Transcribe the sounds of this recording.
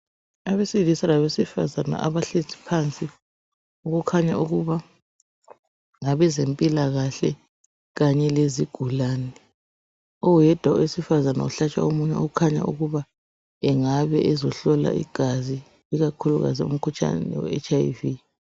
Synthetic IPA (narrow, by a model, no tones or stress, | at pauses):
aβesilisalaβesifa̰zana̰ʔaβaɬetʰi̥pʰant͡sʼi | uɣukʰaɲaʔuɣuβa | ŋaβɛzempʼilaɣaɬɛ | ɣaɲɛleziɡ̥ʱulaːnɛ | ɔjɛd̥ʱwawisifazana̰uɬat͡ʃʼa̰omuɲɛoɣukʰaɲa̰ʔṵɣuβa | ɛŋaβɛʔɛzɔɬɔla̰ʔḭɡ̥ʱazi | iɣakʰuluɣa̰ziṵm̩kʰut͡ʃʼa̰nɛ̰wɛ̰ɛ̰t͡ʃʼaivi